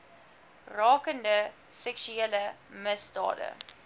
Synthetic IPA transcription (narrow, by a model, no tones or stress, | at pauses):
rɑːkəndə | sɛksyeːlə | məsdɑ̰ːdə̰